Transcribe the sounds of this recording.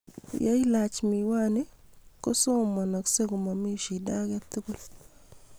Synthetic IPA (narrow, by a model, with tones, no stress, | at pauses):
ja˦i˦la˨t͡ʃmi˨wa˦ne˦ko˦so˦˨ma˨na˨kse˦ɡo˨ma˨mi˦ʃi˨da˦ɡa˦t̪u˦ko˨l